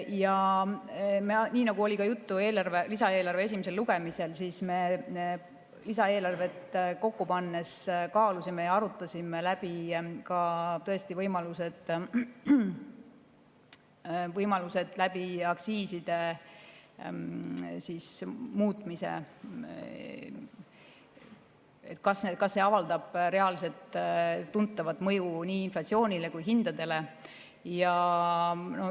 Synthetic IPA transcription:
jɑ | menʲiːnɑɡ̥uo̞lʲikɑjut̪ːue̞ːlɑrve̞lisɑe̞ːlɑrve̞es̬ʲimese̞lːuɡ̥e̞mise̞lsiːsme̞ | lisɑe̞ːlɑrve̞t̪ko̞kːupɑnːeskɑːlusimejɑɑɾut̪ːˑɑsʲimelæb̥ikɑt̪ɤ̞est̪ivɤjmɑluse̞d̪̥ | vɤjmɑluse̞d̪̥læb̥iɑksiːsid̪̥e̞ | siːsmuːt̪ˑmisḛ | et̪ːˑkɑsnekɑsːe̞ɑvɑld̪ɑb̥ɾe̞ɑlise̞lt̪ːunt̪ːˑɑvɑt̪ːˑmɤjuniːnflɑt̪sio̞ːnʲile̞kujɦind̪̥ɑd̪e̞le̞ | jɑ | no

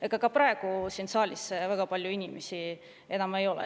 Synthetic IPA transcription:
eɡ̥ɑkɑpɾɑˑe̞ɡ̥usinsɑːlʲisvæɡ̥ɑpɑlʲjuinʲimesʲi | e̞nɑme̞jo̞lɛ̰

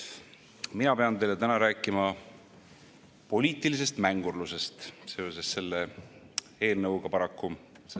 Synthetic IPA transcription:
minɑpe̞ɑnt̪e̞jlet̪ænɑɾæːkˑːimɑ | po̞lʲiːt̪ˑilis̬e̞st̪mæŋɡ̥urluse̞st̪seo̞sesːe̞lːe | e̞ːlnɤwɡ̥ɑpɑɾɑkːu | s

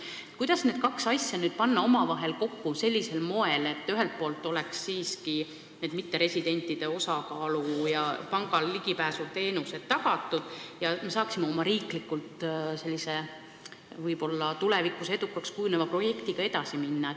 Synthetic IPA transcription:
kujd̪̥ɑsne̞ːd̪̥kɑksɑsʲjɑnyːd̪̥̚pɑnːɑo̞mɑvɑɦe̞lko̞kːuse̞lʲːise̞lmo̞e̞le̞t̪ːyɦe̞lt̪̚po̞ːlt̪ːˑo̞lɛksːiːski | ne̞ːd̪̚mit̪ːe̞ɾe̞sʲid̪e̞nʲt̪ːˑid̪̥e̞o̞sɑkɑːlujɑpɑŋɡ̥ɑlːiɡ̥ipæːsut̪e̞ːnuse̞d̪̥t̪ːɑɡɑt̪ːˑud̪̥jɑme̞sɑːksimeo̞mɑɾiːklikːˑult̪se̞lʲːise̞ | vɯjbo̞lːɑt̪ulevikːˑuse̞d̪ukːˑɑkskujunevɑpro̞je̞kt̪iɡ̥ɑe̞d̪̥ɑsiminːɑ

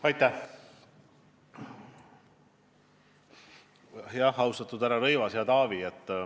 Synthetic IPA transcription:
ɑjt̪ːæh | jɑhːɑwst̪ɑt̪ːud̪æɾɑɾɤjvɑsjɑt̪ɑːviet̪ˑː

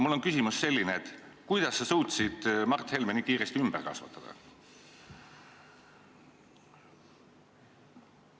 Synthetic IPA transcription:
mulːo̞nkysimusse̞lːineet̪kujd̪̥ɑsːesuːt̪sid̪̥mɑrt̪ːhe̞lmenikiːɾe̞st̪iymb̥ḛrkɑ̰svɑ̰t̪ːˑɑd̪̥ɑ̰

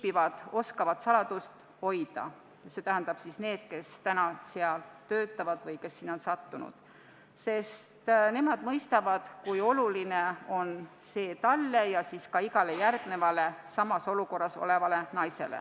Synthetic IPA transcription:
pivɑd̪̥o̞skɑvɑt̪sɑlɑd̪̥ust̪ | ho̞jd̪̥ɑ̰ | se̞t̪æɦænd̪̥ɑb̥sisne̞ːd̪̥ke̞st̪ænɑseɑlt̪ø̞ːt̪ːˑɑvɑd̪̥vɤjke̞sːiːnːo̞nsɑt̪ːunṵd̪̥ | se̞st̪ne̞mɑd̪̥mɤjst̪ɑvɑd̪̥kujo̞luline̞o̞nse̞ːt̪ɑlːe̞jɑsiskɑiɡɑle̞jærɡ̥ne̞vɑle̞sɑmɑso̞luko̞rːɑso̞̰le̞vɑle̞nɑjse̞̰lḛ

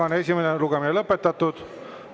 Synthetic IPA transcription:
ɑne̞sʲimeneluɡ̥eminelɤpːet̪ːɑt̪ːud̪̥

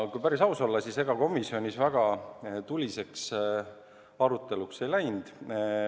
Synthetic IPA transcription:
kujpæɾisɑuso̞lːɑsise̞ɡ̥ɑko̞misio̞nʲisvæɡ̥ɑt̪ulʲise̞ks | ɑɾut̪ːˑe̞lukse̞jlæjnd̪̥

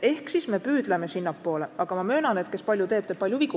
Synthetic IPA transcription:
e̞hksisme̞pyːd̪̥leme̞sinːɑpːo̞ːle̞ɑɡ̥ɑmɑmø̞ːnɑnet̪ke̞spɑlʲjut̪e̞ːb̥t̪e̥pɑlʲjuviku

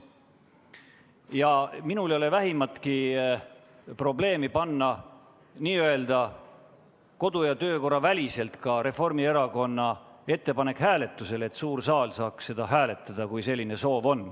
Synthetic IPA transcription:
jɑminulo̞le̞væɦimɑt̪ki | pro̞ble̞ːmipɑnːɑ | niːøe̞ld̪̥ɑ | ko̞d̪̥ujɑt̪ø̞ːko̞rɑvælʲise̞lt̪kɑɾe̞fo̞rmie̞ɾɑko̞nːɑe̞t̪ːe̞pɑne̞khæːle̞t̪ːˑuse̞le̞t̪ːsuːrsɑːlsɑːksse̞d̪ɑɦæːle̞t̪ːˑɑd̪̥ɑkujse̞lʲːine̞so̞ːvo̞nː

